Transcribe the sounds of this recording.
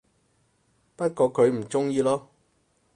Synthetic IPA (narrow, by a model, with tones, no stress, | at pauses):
pɐ˥t̚kɔː˧kʰɵ˨˧ɥm̩˨˩t͡sʊ˥ŋjiː˨˧lɔː˥